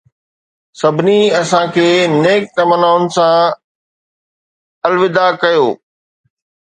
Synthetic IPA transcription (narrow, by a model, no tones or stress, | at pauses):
sɐbʱɪniɐsãkʰeːneːk̚kɐmənaːʊnɪ̆sã | ɐlʋɪd̪akɐjoː